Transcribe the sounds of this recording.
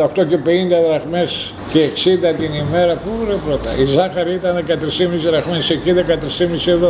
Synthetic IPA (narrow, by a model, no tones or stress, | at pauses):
okt̪o̞cepeind̪ɐðɾɐɣmes | ceːksind̪ɐt̪inime̞ɾɐpoɾepɾot̪ɐizɐxɐɾiit̪ɐnðekɐt̪ɾisimisiðɾɐɣmeseciðekɐt̪ɾisimisievo